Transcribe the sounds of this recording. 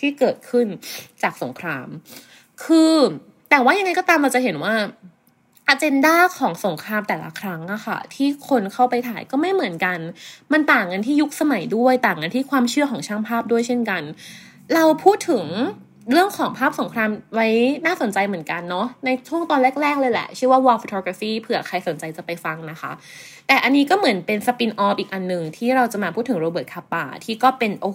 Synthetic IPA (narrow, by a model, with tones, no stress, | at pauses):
t̪ʰiː˥˩kɤː˨˩t̪̚kʰɯ˥˩nt͡ɕaː˨˩k̚so˩˦ŋkʰɾaː˧m | kʰɯː˧ | t̪ɛː˨˩waː˥˩ja˧ŋːa˧jkɔː˥˩t̪aː˧mɾa˧wt͡ɕa˨˩ɦe˨˩˦nwaː˥˩ | ʔa˧t͡ɕe˧ndaː˥˩kʰɔː˩˦ŋso˩˦ŋkʰɾaː˧mt̪ɛː˨˩la̰˧˦kʰɾa˦˥ŋʔa˧˩xʰa̰˥˩t̪ʰiː˥˩kʰo˧nkʰa˥˩wpa˧jt̪ʰaː˩˦jkɔː˥˩ma˥˩jmɯ˨˩˦ənka˧nma˧nt̪aː˨˩ŋːa˧nt̪ʰiː˥˩ju˦˥k̚sa˧ma˩˦jdu˥˩əjt̪aː˨˩ŋːa˧nt̪ʰiː˥˩kʰwaː˧mt͡ɕʰɯ˥˩ɐkʰɔː˩˦ŋt͡ɕʰaː˥˩ŋpʰaː˥˩p̚du˥˩əjt͡ɕʰe˥˩nka˧n | ɾa˧wpʰuː˥˩t̪ʰːɯ˨˩˦ŋ | ɾɯ˥˩əŋkʰɔː˩˦ŋpʰaː˥˩p̚so˩˦ŋkʰɾaː˧mwa˦˥jnaː˥˩so˩˦nt͡ɕa˧jmɯ˨˩˦ənka˧nːɔ˦˥na˧jt͡ɕʰu˥˩əŋt̪ɔː˧nɾɛː˥˩k̚ɾɛː˥˩k̚lɤː˧jlɛ̰˨˩t͡ɕʰɯ˥˩əwaː˥˩wɔː˧fo˧t̪ʰoː˧kaː˧fiː˥˩pʰɯː˧˩a˨kʰa˧jso˨˩˦nt͡ɕa˧jt͡ɕa˨˩pa˧jfa˧ŋna˦˥xʰa̰˦˥ | t̪ɛː˨˩ʔa˧nːiː˦˥kɔː˥˩mɯ˩˦npe˧nsa˧pi˧nʔɔː˦˥pʔiː˨˩k̚ʔa˧nːɯ˨˩ŋt̪ʰiː˥˩ɾa˧wt͡ɕa˨˩maː˧pʰu˥˩t̪ʰːɯ˩˦ɾoː˧bɤː˨˩t̪̚kʰaː˧pa̰ː˧˩t̪ʰiː˥˩kɔː˥˩pe˧nʔoː˧